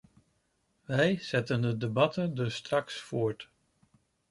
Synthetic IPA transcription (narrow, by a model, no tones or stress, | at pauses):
ʋɛjz̥ɛtəndədebɑtəndɵsːtrɑksfʊːɹt